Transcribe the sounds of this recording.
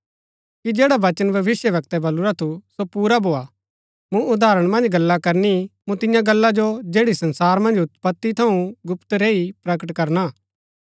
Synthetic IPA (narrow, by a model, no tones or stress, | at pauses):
kid͡ʒeːɽaʋɐt͡ʃənbʱɐʋɪsjəʋɐk̚t̪ɛbɐluɾat̪ʰusopuːɾabʱoːa | mũʊd̪aːɾəɽ̃mɐ̃nd͡ʒɡɐlːakɐɾnimũt̪ɪ̃jãɡɐlːad͡ʒod͡ʒeːɽisɐ̃nsaːɾmɐ̃nd͡ʒʊt̪pɐt̪ːit̪ʰɐũɡʊpt̪ɾeːipɾɐkəʈkɐɾnaː